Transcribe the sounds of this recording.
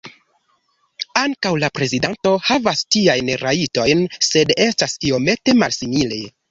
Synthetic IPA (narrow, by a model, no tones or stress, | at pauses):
aŋkawlapɾe̞zidanto̞havastiajnɾaito̞jnse̞de̞stasio̞me̞te̞malsimile̞